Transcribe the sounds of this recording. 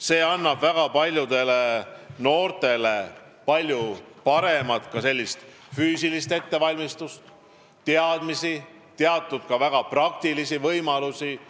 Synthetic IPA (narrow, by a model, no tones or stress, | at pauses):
se̞ːɑnːɑb̥væɡ̥ɑpɑlʲjud̪e̞le̞no̞ːrt̪e̞le̞ | pɑlʲju | pɑɾe̞mɑt̪kɑse̞lʲːist̪ | fyːsilist̪e̞t̪ːe̞vɑlʲmist̪ust̪ | t̪eɑd̪̥misi | t̪eɑt̪ːˑud̪̥̚kɑvæɡ̥ɑprɑk̚t̪ilisivɤjmɑlusi